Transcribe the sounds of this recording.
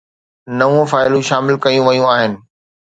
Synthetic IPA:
nɐʋũfaːɪlũʃaːmɪlkɐjũʋɐjũaːɦɪnɪ̆

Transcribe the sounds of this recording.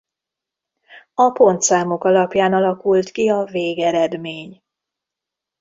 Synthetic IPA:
ɒpo̞nt̪saːmo̞kɒlɒpjaːnɒlɒkult̪kiɒveːɡɛɾɛd̪meːɲ

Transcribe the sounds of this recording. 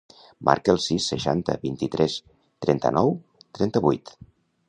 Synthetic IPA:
mʔa̰ɾkəːlˠsisːəʃant̪ə̰βint̪it̪ɾɛs | t̪ɾɛnt̪ə̰nɔw | t̪ɾɛnt̪əβujt̪

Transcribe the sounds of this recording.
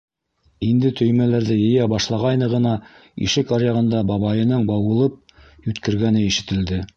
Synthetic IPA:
ind̪ɘt̪ʰɵ̆jmælæɾðɘjɘ̆jæbɑʃlˠɑʁɑjnɤʁɤ̆nɑ | ḭʃɘkɑɾjɑʁɤ̆nd̪ɑbɑβɑjɤ̆nɤɴbɑwɤ̆lˠɤp̚jʉt̪kɘ̆ɾɡænɘiʃɘ̆t̪ɘ̆ld̪ɘ

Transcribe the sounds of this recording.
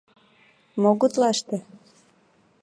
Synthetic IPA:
moɣut̪lɑʃt̪ĕ

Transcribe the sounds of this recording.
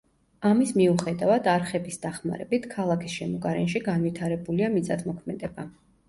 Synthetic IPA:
amismiuχɛd̪avad̪aɾχɛbisd̪̥aχma̰ɾɛbit̪ʰkʰalˠakʰisʃɛmɔɡaɾɛnʃiɡanvit̪ʰaɾɛbuliamit̪sʼat̪ʰmɔkʰmɛd̪ɛba

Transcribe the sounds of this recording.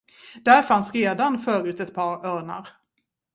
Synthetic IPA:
d̪̥æɾfansɾeːd̪anfœːɾʉ̟ːt̪ɛt̪̚pʰɑːɾœːɳa̰ɾ

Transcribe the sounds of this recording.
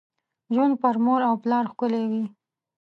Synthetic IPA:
ʒun̚pəɾmoɾawplɑɾxkʊlewi

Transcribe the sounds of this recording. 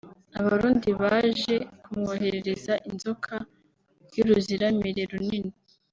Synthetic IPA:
aβaɾuːndiβaʒe̞kumŋoːhe̞ɾeɾe̞zaʔinzokʰa | ɾjuɾuziɾamiɾeɾunini

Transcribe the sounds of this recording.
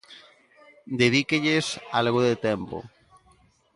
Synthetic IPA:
d̪eðikeʎesalɣoðet̪empo̰

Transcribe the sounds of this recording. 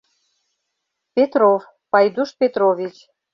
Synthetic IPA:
pʲet̪ɾov | pɑjd̪uʃpʲet̪ɾovʲit͡ɕ

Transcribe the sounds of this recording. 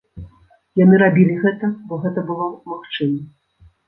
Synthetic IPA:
janɨɾabʲilʲiɣɛt̪ɐbɔɣɛt̪ɐbɨlˠɔmaxt͡ʂɨmɐ

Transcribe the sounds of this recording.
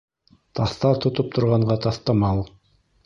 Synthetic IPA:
t̪ʰɑθt̪ɑɾt̪ŏt̪op̚t̪ʰŏɾʁɑɴɢɑt̪ɑθt̪ɑmɑlˠ

